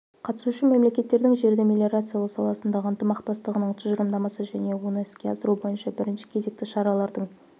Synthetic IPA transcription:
qʰɑt̪ə̥suʃɪme̞mle̞kʲe̞t̪ːe̞ɾd̪ɪŋʒe̞ɾd̪emʲelʲe̞ɾat̪sɨjalˠəqsɑlˠɑsənd̪ɑʁəənt̪əmɑqt̪ɑst̪əʁənəɴt̪ʰʊʒəɾəmd̪ɑmɑsəʒæne̞wo̞nəɪskʲe̞ɑsəɾubo̞jənʃɑbɪɾɪnʃɪ̥kʲʰe̞ze̞k̚t̪ɪʃɑɾɑlˠɑɾd̪əɴ

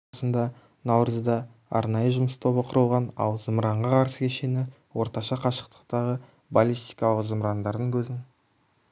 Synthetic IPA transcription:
sənd̪ɑ | nɑwrəzd̪ɑ | ɑ̰ɾnɑjəʒʊməst̪ʰo̞βəqʰʊɾəlˠʁɑnɑ̰lˠzəmɾɑɴʁɑqʰɑɾsəkʲʰeʃe̞nɪ | wo̞ɾt̪ɑʃɑqʰɑʃə̥q̚t̪ə̥qt̪ɑʁə | balʲist̪ijkɑlˠəqzəmɾɑnd̪ɑɾd̪əŋkʲʰɵzɪŋ

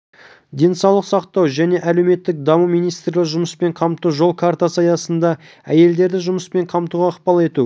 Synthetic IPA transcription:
d̪ʲe̞nsɑwlˠəqsɑqt̪ɑwʒæne̞ʔæle̞wme̞t̪ːɪk̚d̪ɑmumijnijst̪rlʲɪkʒʊməspe̞ɴqʰɑmt̪uʒo̞lˠkʰart̪asɑjɑsənd̪ɑ | æ̰je̞ld̪e̞ɾd̪ɪʒʊməspe̞ɴqʰɑmt̪uʁɑːqpɑlˠe̞t̪u

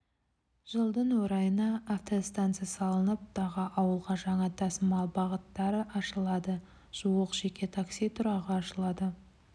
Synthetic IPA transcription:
ʒ̥əlˠd̪ənwɵɾɑjənɑːft̪ost̪ant̪sɨjasɑlˠənəp̚t̪ɑʁɑʔɑwəlˠʁɑʒɑɴɑt̪ʰɑsəmɑlˠbɑʁət̪ːɑɾəʔɑʃəlˠɑd̪ə | ʒ̥uwəqʒ̥e̞kʲʰe̞t̪ʰaksijt̪ʰʊɾɑʁəɑʃəlˠɑd̪ə

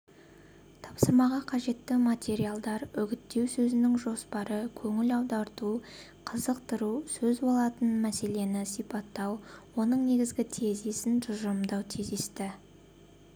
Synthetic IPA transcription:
t̪ʰɑpsəɾmɑʁɑqʰɑʒe̞t̪ːɪmat̪ʲe̞ɾialˠd̪ɑɾʏɡʲɪt̪ːe̞wsɵzɪnɪŋʒo̞spɑɾəkʲʰɵŋɪlɑwd̪ɑɾt̪u | qʰəzəqt̪əɾusɵzbo̞lˠɑt̪ənmæse̞le̞nɪsijpɑt̪ːɑwwo̞nəɴne̞ɡʲɪzɡʲɪt̪ʰezesɪnʒʊʒəmd̪ɑwt̪ʰizd̪est̪ɪ

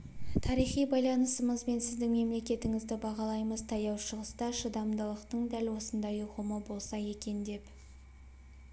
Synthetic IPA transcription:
t̪ʰɑɾijχijbɑjlˠɑnəsəməzbe̞nsɪzd̪ɪŋme̞mle̞kʲe̞t̪ɪŋɪzd̪ɪbɑʁɑlˠɑjməzt̪ʰɑjɑwʃəʁəst̪ɑʃəd̪ɑmd̪əlˠəqt̪əɴd̪ælwo̞sənd̪ɑjʊʁəməbo̞lˠsɑje̞kʲe̞nd̪e̞p

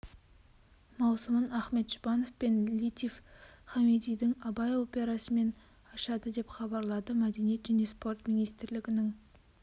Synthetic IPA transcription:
mɑwsəmənæχme̞t̪ʒ̥ʊbɑno̞fpe̞nlit̪ʲifχɑmed̪ijd̪ɪŋɑbɑjo̞pʲe̞ɾɑsəme̞n | ɑʃɑd̪əd̪e̞pχɑbɑɾlˠɑd̪əmæd̪e̞nije̞t̪ʒæne̞spo̞rt̪mʲijnijst̪ɪɾlɪɡʲɪnɪŋ

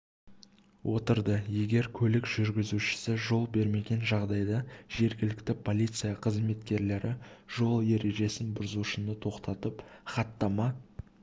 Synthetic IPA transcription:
wʔo̞t̪əɾd̪əje̞ɡʲe̞ɾkʲʰɵlɪkʒ̥ʏɾɡʲɪzuʃɪ̥sɪʒo̞lˠbe̞ɾme̞ɡʲe̞nʒɑʁd̪ɑjd̪ɑʒe̞ɾɡʲɪlɪkt̪ɪpʰo̞lʲijt̪sɨjɑqʰəzme̞t̪kʲe̞ɾle̞ɾʔɪʒo̞lˠje̞ɾe̞ʒe̞sɪnbʊɾzuʃɪnət̪ʰo̞qt̪ɑt̪əpχɑt̪ːɑmɑ

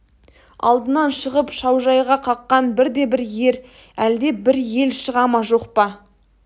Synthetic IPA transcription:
ɑ̰lˠd̪ənɑnʃəʁəpʃɑwʒɑjʁɑqʰɑqːɑnbɪɾd̪e̞bɪɾje̞ɾ | æld̪e̞bɪɾje̞lʃəʁɑmɑʒo̞qpɑ

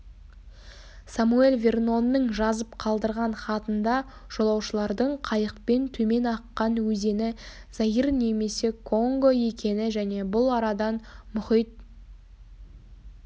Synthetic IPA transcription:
samue̞lʲvʲerno̞nːəɴʒɑzəpqʰɑlˠd̪əɾʁɑnχɑt̪ənd̪ɑ | ʒ̥o̞lˠɑwʃəlˠɑɾd̪əɴqʰɑjəqpe̞nt̪ʰɵme̞nɑqːɑnwɵze̞nɪ | z̥ɑjəɾne̞me̞se̞kʰo̞ŋɡo̞je̞kʲʰe̞nɪʒæne̞bʊlˠɑɾɑd̪ɑnmʏχijt̪̚

